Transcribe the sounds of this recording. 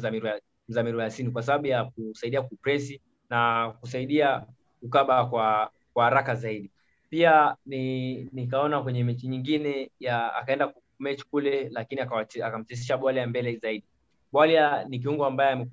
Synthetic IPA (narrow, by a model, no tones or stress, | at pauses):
zamiɾ | m̩zamiɾuasinikwas̬aɓaɓujak̚usaiɗiakupɾɛsi | nakusaiɗia | kukaɓakwa | kwahaɾakazaiɗi | pianinik̬aɔnakwɛɲɛmɛt͡ʃiɲiŋɡinɛjaa̰kaɛndak | mɛt͡ʃi̥kulɛlakiniaakam̩t͡ʃɛs̬iʃaɓwaliambɛlɛzaiɗi | ɓwalianik̬iuŋɡuambajɛamɛ